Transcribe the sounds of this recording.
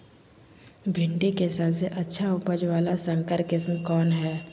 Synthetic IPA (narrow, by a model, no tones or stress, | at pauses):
bʱɪ̃ɳʈikesaːbseʔɐtːʃʰaʊpəd͡ʒʋaːlasə̃ŋkəɾkɪsmkɔːnɦɛː